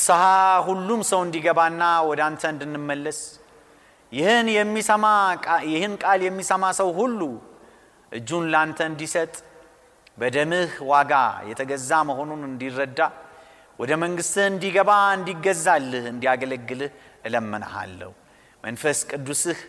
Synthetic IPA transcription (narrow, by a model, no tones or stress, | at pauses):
sɨhaɦulːumsəwɨnd̪iɡəβanːawɔd̪ant̪ʰənd̪ɨnːɨmːəlːəs | jɪhɨnjɛmːisəmajɪhɨnkʼaljɛmːisəmasəwhulːu | ʔɨd͡ʒːunlant̪ʰəɨnd̪isət̪ʼ | bəd̪əmɨhwaɡa̰jɛt̪ʰəɡəzːaməho̞nunɨnd̪irəd̪ːa | wɔd̪əməŋɡɨst̪ɨɨnd̪iɡəβaɨnd̪iɡːəzːalːɨhɨnd̪ijaɡələɡːɨlɨh | ɨləmːəna̰ha̰lːə̰h | mənfəskʼɨd̪ːusɨh